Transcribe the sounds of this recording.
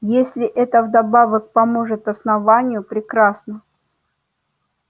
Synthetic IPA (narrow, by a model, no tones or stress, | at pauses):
jesʲlʲɪʔɛt̪əvd̪ɐbavək̚pɐmoʐɨt̪ɐsnɐvanʲɪjʊpɾʲɪkɾasnə